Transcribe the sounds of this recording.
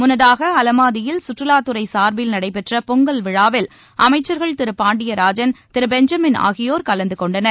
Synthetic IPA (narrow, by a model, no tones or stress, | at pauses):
mʊnɐðaːɣɐɐlɐmaːðɪjɪlsʊʈrɯlaːt̪ːɯɾɐɪsaːɾbɪlnɐɽɐɪpɛʈrɐpɔŋɡɐlʋɪɻaːʋɪl | ʔɐmɐɪt͡ʃːɐɾɣɐɭt̪ɪɾɯpːaːɳɖɪjɐɾaːd͡ʒɐnt̪ɪɾɯbɛɲd͡ʒɐmɪna̰ːɣɪjoːɾkɐlɐnd̪ɯkɔɳɖɐnɐɾ